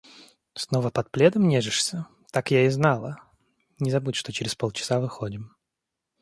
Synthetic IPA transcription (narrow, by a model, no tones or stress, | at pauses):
snovəpɐt̪̚plʲed̪əmnʲeʐɨʂsʲə | t̪akjaɪznɑlˠə | nʲɪzɐbutʲʂt̪o̞t͡ɕɪɾʲɪspolˠt͡ɕɪ̥savɨxodʲɪm